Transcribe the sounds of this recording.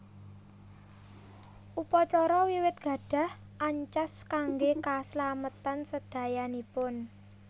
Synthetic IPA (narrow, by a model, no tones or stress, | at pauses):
ʔupɔt͡ʃɔɾɔwiwɪt̪̚ɡ̥ä̤ɖ̥ä̤h | ʔaɲt͡ʃaskaŋɡekaslamət̪ansəd̪̥a̤janipʊn